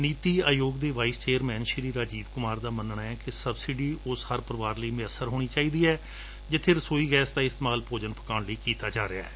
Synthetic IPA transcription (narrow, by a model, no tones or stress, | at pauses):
niːt̪iːaːjoːɡd̪eːʋaːiːst͡ʃeːəɾmɛ̃ːnʃəɾiːɾaːd͡ʒiːʋkʊmaːɾd̪aːmənɳaːɛːkɪsəbsɪɖiːʔʊshəɾpəɾəʋaːɾləiːmɪjəsːəɾɦoːɽ̃iːt͡ʃaːiːd̪iːɛː | d͡ʒɪt̪ʰːɪɾsoːiːɡɛːsd̪aːɪst̪emaːlpoːd͡ʒənpə̥kaːɳləiːkiːt̪aːd͡ʒaːɾɪa̰ːɛː